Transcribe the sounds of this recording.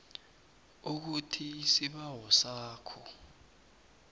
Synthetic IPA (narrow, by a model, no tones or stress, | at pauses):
uk̬utʰiːsiɓawɔsaːkʰɔ